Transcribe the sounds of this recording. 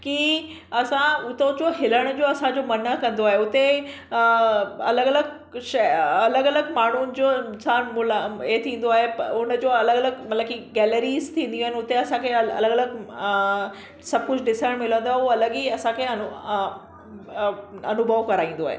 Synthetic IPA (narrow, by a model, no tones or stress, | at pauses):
ki | ɐsãʊt̪oʊt͡ɕoɦɪləɽ̃ʊd͡ʑoːɐsãd͡ʑoːmɐnəkɐ̃nd̪oaːɦeʊt̪e | ɐ̰ləɡɐləɡ | ʃɐɐləɡɐləɡmaːɳ̤unɪ̆d͡ʑonsaːnmʊlet̪ʰĩːn̆d̪oaːɦepʊnəd͡ʑoːɐləɡələɡmɐt̪ləbkiɡɛːləɾiːzt̪ʰĩːnd̪ijũːɦɪnɪʊt̪eɐsãkʰeɐ̰ləɡələɡ | sɐb̚ʱkʊd͡ʑʱɖɪsəɽ̃mɪlə̃nd̪oaːɦeuɐləɠiɐsãkʰeɐnʊ | ɐ̰nʊbʱəʋkɐɾaːĩːnd̪oa̰ːɦḛː